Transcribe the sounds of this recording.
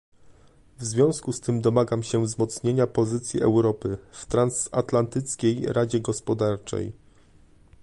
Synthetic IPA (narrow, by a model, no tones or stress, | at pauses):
vzvʲjɔ̃w̃skust̪ɘmd̪ɔmaɡamɕɛvzmɔt̪sɲeɲapɔzɘt̪sʲjiʔɛ̰wɾɔpɘft̪ɾansat̪lant̪ɘt̪skʲejɾad͡ʑɛɡɔspɔd̪aɾt͡ʂɛ̰j